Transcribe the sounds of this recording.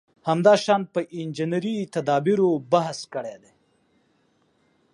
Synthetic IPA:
hamd̪ɑʃɑnpəʔɪnd͡ʒinɾit̪ad̪ɑbiɾobaɦskəɽed̪e

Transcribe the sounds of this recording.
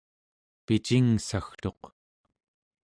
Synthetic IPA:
pit͡ʃiŋsaxt̪o̞q

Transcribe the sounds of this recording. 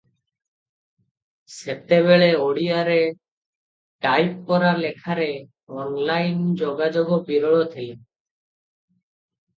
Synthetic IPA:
sep̚t̪ebeɭeoɽijaɾe | ʈajp̚kɔɾaɾlekʰaɾe | ɔnlajnd͡ʒoɡad͡ʒoɡopiɾɔɭot̪ʰel

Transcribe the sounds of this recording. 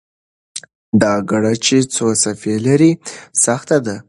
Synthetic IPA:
d̪ɑɡaɽat͡ʃet͡sosafelaɾisaxt̪ad̪a

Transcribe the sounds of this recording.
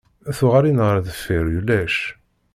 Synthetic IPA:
æθʊʁaɾinʁɾðəfːiɾjulæʃ

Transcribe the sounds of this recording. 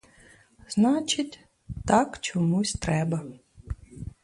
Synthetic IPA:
znɑt͡ʃɪtʲ | t̪ɑkt͡ʃɔmusʲt̪ɾɛbɐ

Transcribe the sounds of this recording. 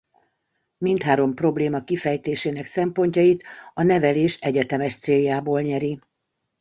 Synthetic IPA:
mint̪haːɾo̞mpro̞bleːmɒkifɛjt̪eːʃeːnɛksɛmpo̞ɲcɒjit̪ɒnɛvɛleːʃɛɟɛt̪ɛmɛʃt̪seːjːaːboːlɲɛɾi

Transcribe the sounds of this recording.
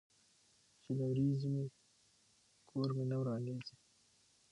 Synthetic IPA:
t͡ʃelawɾizme | kʰoɾmenawɾɑndezi

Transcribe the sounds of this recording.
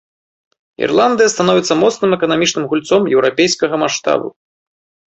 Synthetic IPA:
ḭrlˠand̪ɨjɐst̪anɔvʲit̪sːɐmɔt̪snɨmɛkɐnamʲit͡ʂnɨmɣulʲt̪sɔmjɛwɾapʲejskɐɣɐmaʂt̪a̰bṵ

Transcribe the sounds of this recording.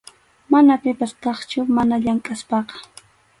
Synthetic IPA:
manapɪpast̪ɑχt͡ʃʊmanaʎaŋkʼaspɑqɑ̥

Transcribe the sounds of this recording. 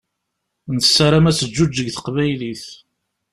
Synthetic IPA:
nsːaɾamæsəd͡ʒːud͡ʒːəɡθə̥qvæjliθ

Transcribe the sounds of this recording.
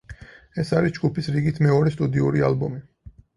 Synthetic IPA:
ɛsaɾisd͡ʒɡupʰisɾiɡit̪ʰmɛɔɾɛst̪ʼud̪iuɾia̰lbɔmi

